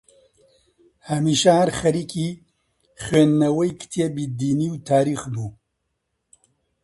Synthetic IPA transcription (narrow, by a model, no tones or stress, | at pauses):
hɐmiːʃɐhɐɾxɐɾiːkʰiː | χweːnːɐwɐjkʰt̪ʰiebid̪iːniːwt̪ʰaːɾiːxbuː